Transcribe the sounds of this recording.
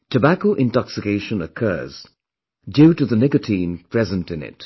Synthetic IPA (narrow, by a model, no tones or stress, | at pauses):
tʰəbækoʊʔɪ̃ntɑksɪkeɪʃə̃nəkʰɜ̰ːz̥ | djʉɾɨðənɪkɨtʰĩnpʰɹ̥ɛzə̃ntɨ̃nɪ̰t